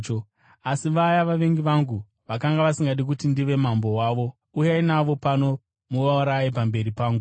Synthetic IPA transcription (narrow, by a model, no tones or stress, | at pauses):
t͡ʃo | asiʋajaʋaʋe̞ŋɡiʋaŋɡu | ʋakaŋɡaʋasiŋɡaɗik̬utindiʋe̞mambo̞waʋo̞ | ujainaʋo̞pano̞ | muʋauɾaip̬ambe̞ɾipaːŋɡu